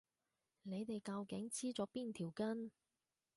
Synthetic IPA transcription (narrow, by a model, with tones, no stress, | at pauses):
ne˨˧jt̪e˨jkɐ˧wkɪ˨˥ŋt͡sʰiː˥t͡sɔː˨˥piː˥˩nt̪ʰiː˨˩wkɐ˥n